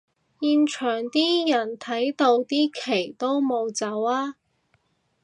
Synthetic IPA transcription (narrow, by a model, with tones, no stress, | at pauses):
jiː˨˧nt͡ʃʰœː˨˩ŋt̪iː˥jɐ˨˩nt̪ʰɐ˨˥jt̪o˧wt̪iː˥kʰe˨˩jt̪o˥wmo˨˧wt͡sɐ˨˥waː˥